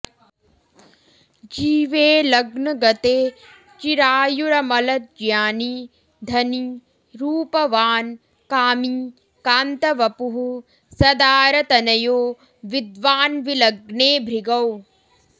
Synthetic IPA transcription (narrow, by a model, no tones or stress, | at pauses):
d͡ʒiːʋeːlɐɡnɐɡɐt̪eː | t͡ʃiɾaːjuɾɐmɐlɐt̪̚d͡ʒjaːni | d̪ʱɐni | ɾuːpɐʋaːn | kaːmi | kaːnt̪ɐʋɐpuɦu | sɐd̪aːɾɐt̪ɐnɐjoː | ʋid̪ʋaːnʋilɐɡneːbʱɾiɡɐw